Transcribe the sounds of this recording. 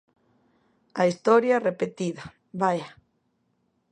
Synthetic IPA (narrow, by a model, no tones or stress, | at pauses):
aist̪ɔɾjarepet̪iða | βaja